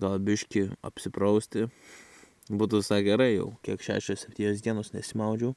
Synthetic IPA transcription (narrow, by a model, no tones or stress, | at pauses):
ɡɐlˠbʲɪʃʲkʲɪɐ̰pʲsʲɪpɾɐʊsʲt̪ʲɪ | buːt̪ʊʋʲɪsɑːɪɡʲɛɾɐɪjɛ̰ʊkʲiɛkʃʲæ̰ːʃʲoːsʲɛpʲt̪ʲiːnʲoːsd̪ʲiɛnoːsnʲɛsʲɪmɐʊd͡ʒʲɛʊ